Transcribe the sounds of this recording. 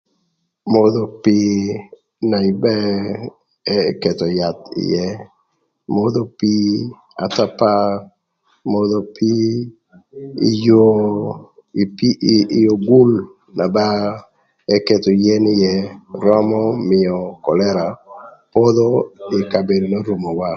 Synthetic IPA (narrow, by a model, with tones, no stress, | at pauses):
mo˦d̪o˨pi˦ | na˨ɪ˨bɛ˦ | ɛ˦ke˨tɔ˨ja˨t̪ɪ̰˨jɛ˦ | mo˦d̪o˦pi˦ | a̰˨ta˦pa˦ | mo˦d̪ɔ˨pʰi˦ | ḭ˨˦jo˦ | i˨pi˦˨jo˨ɡu˦l | na˨ba˦ | ɛ˦ke˨tɔ˨jɛ˦nɪ˦jɛ˦ɾɔ˦mɔ˦mɪɔ˨kɔ˨lɛ˦ɾa˨po˦d̪o˦ɪ˨ka˨be˨do˨no˦ɾu˨mo˨wa˦